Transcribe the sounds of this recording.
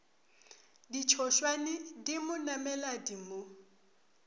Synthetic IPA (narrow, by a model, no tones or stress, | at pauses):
dit͡ʃʰɔʃwanɪdimʊnamɛladimʊ